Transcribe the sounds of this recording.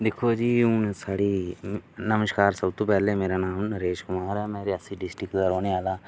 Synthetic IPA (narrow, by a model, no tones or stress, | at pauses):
d̪ekʰoːd͡ʒiːʊnsaːɽiːnəməʃkaːɾsəbt̪õːpɛːleːmeːɾaːnaːmnəɾeːʃkʊmaːɾɛːmɛ̃ːɾeːəsĩːɖɪsʈɾɪkd̪aːɾoːneːaːlaː